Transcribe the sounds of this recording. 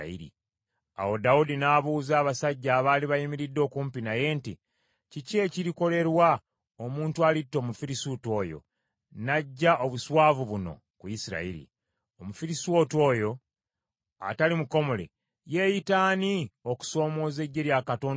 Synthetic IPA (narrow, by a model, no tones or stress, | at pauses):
ḭɾḭ | a̰wo̞daudinaːβuːzaːβasaɟːaːβaːliβajimiɾidːo̞ːkuːmpinaje̞ːnti | cice̞ːciɾiko̞le̞ɾwa | o̞muːntualitːo̞mufiɾisuto̞ːjo̞̰ | naɟːaʔo̞βuswaːvuβuno̞̰ | kuisiɾa̰iɾḭ | omufiɾisuwotwo̞ːjo̞ | a̰talimuko̞mo̞le̞̰ | je̞ːjitaːnio̞ku̥so̞ːmo̞ːze̞ɟːe̞ɾjakato̞ːn